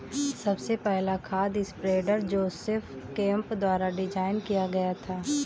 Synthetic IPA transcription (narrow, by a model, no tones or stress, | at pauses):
sɐbsepɛɦlakʰaːd̪ɪspɾeːɖəɾd͡ʒoːsɪfkɛ̃ːmpd̪waːɾaɖɪd͡ʒaːɪnkijaɡɐjat̪ʰaː